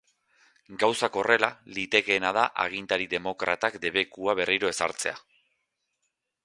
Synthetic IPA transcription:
ɡawsako̞re̞lalit̪e̞ke̞ːnað̞aʔa̰ɣ̞int̪aɾiðe̞mo̞kɾa̰t̪akd̪e̞β̞e̞kuaβe̞riɾo̞e̞sa̰ɾt͡se̞a

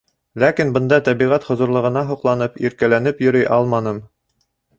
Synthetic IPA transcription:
lækinbɤ̆nd̪ɑt̪æβiʁæt̪hŏzŏɾlˠɤ̆ʁɤ̆nɑɦŭqlˠɑnɤpiɾkælænɘpjɵ̆ɾɘjʔɑlˠmɑnɤm

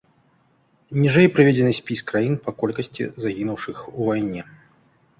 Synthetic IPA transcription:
nʲiʐɛjpɾɨvʲed͡zʲɪnɨsʲpʲiskɾajinpɐkɔlʲkɐsʲt͡sʲḭzaɣʲinuwʂɨxuvajnʲɛ

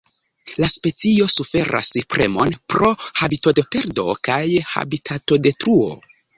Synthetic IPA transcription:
laspe̞t͡sio̞sufe̞ɾʔa̰sipɾe̞̰mo̞npɾo̞habito̞depe̞ɾdo̞̰kajha̰bitʰato̞de̞tɾuo̞̰

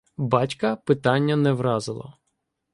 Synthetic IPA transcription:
bɑtʲkɐpɪt̪ɑnʲːɐnɛʋɾɑzɪlˠɐ̰

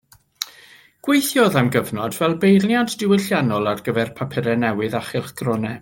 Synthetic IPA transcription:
ɡ̥wejθjɔðamɡəvnɔdvɛlˠbejlnjaddɪwɪɬjanɔlˠarɡəvɛrpʰapʰɛɾɛnɛwɨðaχɪlχɡ̥rɔnɛ

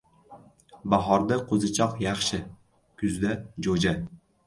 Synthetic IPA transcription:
baɦɒɾd̪aqʰozɪt͡ʃʰɒqjɑχʃɪ | kʰʲʊzd̪ad͡ʒod͡ʒa

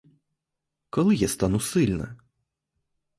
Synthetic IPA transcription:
kɔlˠɨjast̪anusɨlʲnɐ̰

